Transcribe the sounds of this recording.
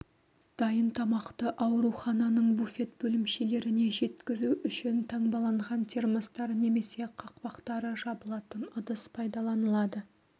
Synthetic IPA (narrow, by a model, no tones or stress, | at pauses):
d̪̥ɑjənt̪ʰɑmɑqt̪əʔɑwɾuχɑnɑnəɴbufʲe̞t̪bɵlɪmʃe̞le̞ɾɪne̞ʒe̞t̪kʲɪzuʏʃɪnt̪ʰɑɴbɑlˠɑɴʁɑnt̪ʰeɾməst̪ɑɾne̞me̞se̞qʰɑq̚pɑqt̪ɑɾəʒɑbəlˠɑt̪ənʊd̪əspʰɑjd̪ɑlˠɑnəlˠɑd̪ə